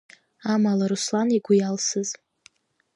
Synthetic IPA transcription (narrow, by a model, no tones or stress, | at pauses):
amalaɾuslaniɡʷujalsɨz